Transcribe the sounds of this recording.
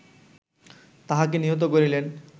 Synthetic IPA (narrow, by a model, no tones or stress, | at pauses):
t̪aɦak̬eniɦot̪̬okoɾilen